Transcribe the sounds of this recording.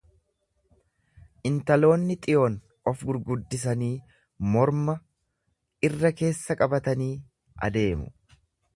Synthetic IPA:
ʔɪnt̪ɐlo̞ːnːɪt̪ʼɪjoːn | ɔfɡʊɾɡʊd̪ːɪs̬ɐniː | mɔɾmɐ | ɪrːɐke̞ːsːɐkʼɐbɐt̪ɐniː | ʔɐ̰d̪e̞ːmʊ̰

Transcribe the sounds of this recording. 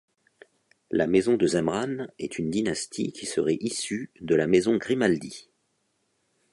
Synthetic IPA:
lamɛzɔ̃d̪əzɛ̃mʁanɛt̪ʰynd̪inast̪ʰḭkʲʰisəʁɛʔisyd̪əlamezɔ̃ɡʁimald̪ḭ

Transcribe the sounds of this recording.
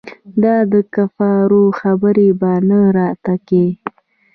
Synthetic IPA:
d̪ɑd̪əkafɑɾoxabəɾebanəɾɑt̪ake

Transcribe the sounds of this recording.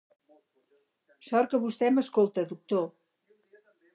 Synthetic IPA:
sɔɾkəβust̪ɛməskolˠt̪əd̪uk̚t̪o

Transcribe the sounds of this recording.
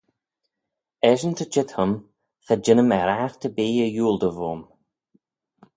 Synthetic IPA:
ɛʒənt̪ʰəd͡ʒɪt̪həm | xad͡ʒɪnəmɛɾaxt̪ʰəbiːəjuːld̪əvoːm

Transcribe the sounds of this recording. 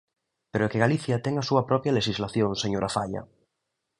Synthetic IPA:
peɾoɛkeɣaliθjat̪ɛŋasuɐpɾɔpjaleʃizlaθjõŋseɲoɾʔafaʎa̰

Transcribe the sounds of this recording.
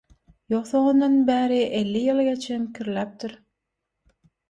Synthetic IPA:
joqθoŋond̪ɑnbæːɾiʔelːijɯlˠɡet͡ʃʰeŋkʲʰiɾlæp̚t̪ʰiɾ

